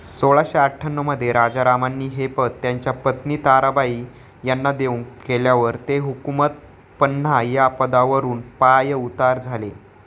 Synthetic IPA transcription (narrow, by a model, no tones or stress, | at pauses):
soɭaɕeaʈʰənːəməd̪ʱːjeɾad͡ʑaɾamanːiːɦepət̪ːjaɲt͡ɕjapət̪niːt̪aɾabaiː | janːad̪euŋkeljaʋəɾt̪eɦukumət̪̚ | pən̤ːajapəd̪aʋəɾuːnpajəut̪aɾd͡zʱale